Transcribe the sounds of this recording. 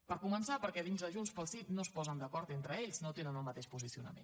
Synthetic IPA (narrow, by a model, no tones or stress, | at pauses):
pəɾkumənsapəɾkɛðinzðəʒunspəlˠsit̪nospɔzənd̪əkɔɾt̪ent̪ɾəeʎznot̪enənəlˠmət̪eʃpuzisiunə̰mḛn